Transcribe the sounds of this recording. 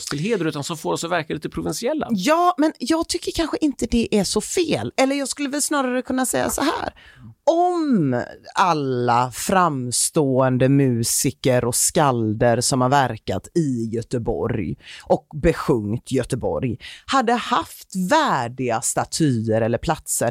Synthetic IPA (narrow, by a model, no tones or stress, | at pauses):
t̪ʰɪlɦeːəɾʉːt̪ansɔmfoːɾɔsɔvæɾkaliːt̪əpʰɾʊvɪnsɪɛlːa̰jɑːmɛnjɑːɡ̚t̪ʰʏkːəɾkʰanɧəʔɪnt̪əd̪ɛʔæʂɔfeːlɛlːəɾjɑːɡskɵlːəvɛlsnɑːɾaɾəkʰɵnːasɛjːa̰sɔɦæ̰ːɾɔm | alːafɾamst̪oːɛnd̪əmʉ̟ːsɪkəɾɔskald̪əɾsɔmhaɾvæɾka̰t̪ɪjœt̪əbɔ̰ɾjʔɔk̚bɛɧɵŋt̪jœt̪əbɔ̰ɾjhad̪ːəhaft̪væːɖɪɡast̪at̪ʰyːəɾɛlːəɾpʰlat̪səɾ